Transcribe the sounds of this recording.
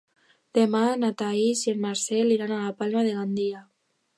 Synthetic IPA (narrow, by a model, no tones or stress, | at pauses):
d̪̥emanat̪aizienmaɾsɛliɾanalapalmaðeɣand̪ia